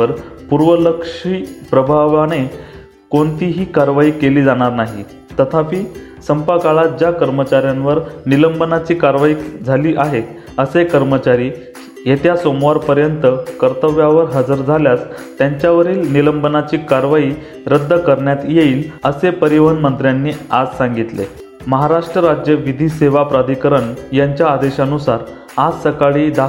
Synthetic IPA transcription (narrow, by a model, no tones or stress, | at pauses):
əɾpuɾʋələkʂiːpɾəbʱaʋane | koɳt̪iːɦiːkaɾʋaiːkeliːd͡zaɽ̃aɾnaɦi | t̪ət̪ʰapiː | səmpakaɭat̪̚d͡ʑjakəɾmət͡ɕaɾjãnʋəɾniləmbənat͡ɕiːkaɾʋaiːd͡zʱaliːʔaɦet̪ | əsekəɾmət͡ɕaɾiː | jet̪jasomʋaɾpəɾjənt̪əkəɾt̪əʋjaʋəɾɦəd͡zəɾd͡zʱaljast̪jaɲt͡ɕjaʋəɾiːlniləmbənat͡ɕiːkaɾʋaiː | ɾəd̪ʱːəkəɾɳjat̪jeiːləsepəɾiʋənmənt̪ɾjanːiːad͡zsãŋɡit̪lḛ | məɦaɾaʂʈɾəɾad͡ʑjəʋid̪ʱiːseʋapɾad̪ʱikəɾəɳjaɲt͡ɕjaːd̪eɕanusaɾ | ad͡zsəkaɭiːd̪a